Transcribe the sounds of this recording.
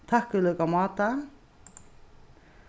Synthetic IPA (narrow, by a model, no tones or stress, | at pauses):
t̪ʰakːʏlœkamɑːt̪a